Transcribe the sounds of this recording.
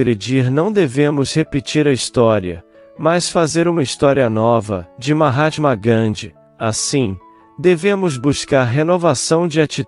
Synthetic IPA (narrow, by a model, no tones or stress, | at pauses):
ɾed͡ʒiɾnɐ̃w̃d̪evẽmʊshepit͡ʃiɾɐist̪ɔɾiɐ | masfazeɾũmɐist̪ɔɾiɐnɔvɐd͡ʒɪũmɐɦat͡ʃmɐɡɾɐ̃d͡ʒɪ | asĩ | d̪evẽmʊzbuskaɾɦenovasɐ̃w̃d͡ʒɪat͡ʃi